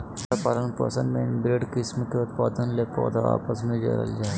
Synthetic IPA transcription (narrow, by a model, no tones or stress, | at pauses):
ɐpalənpɐ̰sə̃nmẽnbɾeːɖkɪsmkeʊt̪paːd̪ənlepo̰ːd̪aa̰ːpəsmẽd͡ʒɐ̰ɾə̰ld͡ʒaː